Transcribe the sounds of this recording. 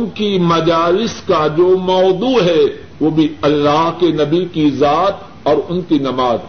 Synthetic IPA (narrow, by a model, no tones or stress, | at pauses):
ʊnkimɐd͡ʒaːlɪskad͡ʒoːmɔːd̪uɦɛ | ʋoːbʱiɐlːaːɦkenɐbikizaːt̪ | ɔːɾʊnkinɐmaːz